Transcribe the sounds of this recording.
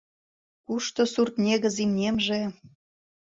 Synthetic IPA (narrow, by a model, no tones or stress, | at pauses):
kuʃt̪osurt̪nʲeɣə̆zimnʲemʒe